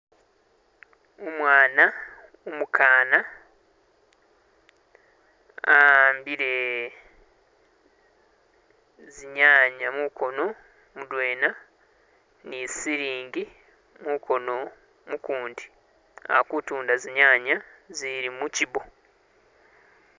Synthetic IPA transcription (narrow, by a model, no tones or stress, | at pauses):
omwaːna | omukʰaːna | ambiɾe̞ | ziɲaːɲamukʰo̞no̞ | mudweːna | nisiɾiːŋɡi | mukʰo̞no̞ | mukuːndi | a̰kutuːndaziɲaːɲaziɾimucibo̞